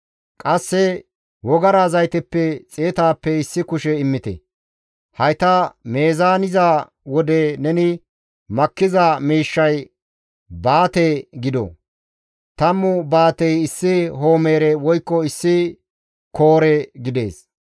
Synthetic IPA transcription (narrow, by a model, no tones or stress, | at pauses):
kʼɐsːɛ | wɔɡɐɾazɐjt̪ɛpːɛt͡sʼeːt̪aːpːɛɪsːɪkʊʃɛɪmːɪt̪ɛ̰ | hɐjt̪ɐmeːzaːnɪza | wɔd̪ɛnɛnɪ | mɐkːɪzamiːʃːɐj | baːt̪eɡɪd̪ɔ̰ | t̪ɐmːʊbaːt̪ɛjɪsːɪɦo̞ːmeːɾɛwɔjkːɔɪsːɪ | ko̞ːɾɛɡɪd̪e̞ːs